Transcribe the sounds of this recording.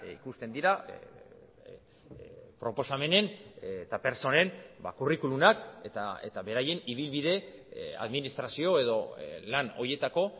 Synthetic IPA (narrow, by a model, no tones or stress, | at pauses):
ḭkust̪e̞nd̪iɾa | pɾo̞po̞same̞ne̞nt̪ape̞ɾso̞ne̞nbakurikulunaket̪aḛt̪aβe̞ɾaje̞niβ̞ilβiðe̞a̰ðminist̪ɾasio̞e̞ðo̞lano̞je̞t̪ako̞